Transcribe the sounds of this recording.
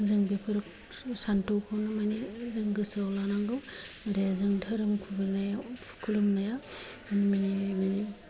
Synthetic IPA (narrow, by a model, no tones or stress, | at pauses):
zɯŋbipʰɯɾɯk̚ | santowkʰawnamanizɯŋɡɯsawlanaŋɡɯwmɾajazɯŋdʱaɾɯmkʰubilnajakʰulumnaja | manimanibeni